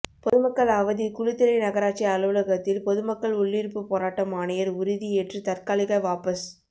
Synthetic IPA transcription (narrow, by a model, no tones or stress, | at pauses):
pɔðɯmɐkːɐɭɐʋɐðikʊɻɪt̪ːɪlɐɪnɐɣɐɾaːʈt͡ʃiɐlɯʋɯlɐɣɐt̪ːɪlpɔðɯmɐkːɐɭʊɭːɪɾpːɯpoːɾaːʈːɐmaːnɐjɐɾʊɾɪðieːʈrɯt̪ɐɾkaːlɪɣɐʋaːpɐs